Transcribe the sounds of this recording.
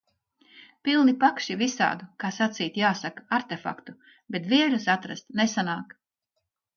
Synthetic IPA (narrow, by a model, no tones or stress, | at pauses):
pilˠnipakʃivisa̰ːd̪ukaːsat̪siːt̪jaːsakaɾt̪efa̰kt̪u | bet̪viɛlus̬at̪ɾast̪nesanaːk